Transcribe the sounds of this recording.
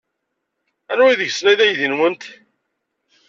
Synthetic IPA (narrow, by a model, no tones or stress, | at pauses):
ænæiðəʝsnæjðæjðinwənt̪